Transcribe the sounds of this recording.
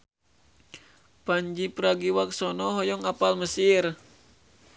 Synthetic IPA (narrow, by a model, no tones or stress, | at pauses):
paɲd͡ʒipəɾaɡiwak̚sɔnɔɦɔjɔŋapalməsir